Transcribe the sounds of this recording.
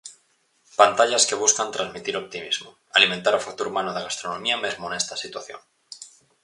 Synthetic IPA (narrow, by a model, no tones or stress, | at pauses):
pant̪aʎaske̞β̞uskant̪ɾanzmit̪iɾo̞p̚t̪imizmo | aliment̪aɾofak̚t̪uɾumanoðeɣast̪ɾonõmiame̞zmone̞st̪asit̪waθjo̰ŋ